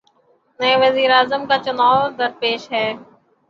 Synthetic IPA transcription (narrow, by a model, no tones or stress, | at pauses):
nəeːʋəziːɾaːzəmkaːt͡ʃʊnaːɾd̪əɾpeːʃɦɛː